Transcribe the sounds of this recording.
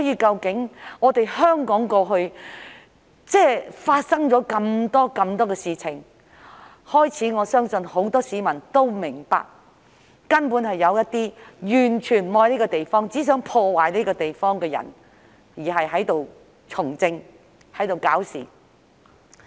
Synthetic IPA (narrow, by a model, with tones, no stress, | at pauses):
jiː˧kɐ˧wkɪ˨˥ŋŋɔː˨˧t̪e˨jhœː˥ŋkɔː˨˥ŋkɔː˧ɦɵ˧ɥ | t͡sɛː˥˩faː˧t̚sɐ˥ŋt͡sɔː˨˧˥kɐ˧mt̪ɔː˥kɐ˧mt̪ɔː˥kɛː˧siː˨t͡sʰɪ˨˩ŋ | hɔː˥jt͡sʰiː˨˥ŋɔː˨˧sœː˥ŋsɵ˧nho˨˥wt̪ɔː˥siː˨˥mɐ˨˩nt̪o˥wmɪ˨˩ŋpa̰ː˨k̚ː | ɐ˥npu˨˥nhɐ˨jːɐ˨˧wjɐ˥t̚t̪iː˥jyː˨˩nt͡ʃʰyː˨˩nmɔː˧jni˥kɔ˧t̪e˨jfɔː˥ŋt͡siː˨˥s̬œː˨˥ŋpʰɔː˧waː˨jniː˥kɔ˧t̪e˨jfɔː˥ŋkɛː˧jɐ̰˨˩n | jiː˨˩ɦɐ˨jɦɐ˨˥jt̪o˨w | t͡sʰʊ˨˩ŋt͡sɪ˧ŋ | hɐ˨˥jt̪o˨wkaː˨˥wsḭː˨˩